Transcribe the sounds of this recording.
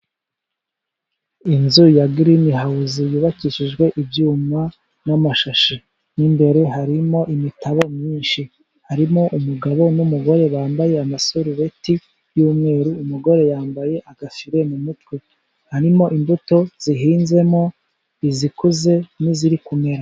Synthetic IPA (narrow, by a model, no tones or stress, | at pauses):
inzujaɡiɾiimiɦauzijuːβakiʃiʒɡwe̞ʔibjuːmwa | namaʃaʃe | nimbe̞ɾe̞ɦaɾimo̞ʔimitʰaβo̞mɲiːnʃi | haɾimo̞ʔumuɡaβo̞numuɡo̞ɾe̞βaːmbaje̞amasoɾuβe̞ti | juːmŋe̞ːɾuːmuɡo̞ɾe̞jaːmbaje̞ʔaɡafiɾe̞mumutwe̞ | haɾimo̞ʔimbuto̞z̥iɦiːnze̞mo̞ | izikuze̞niziɾikume̞ɾa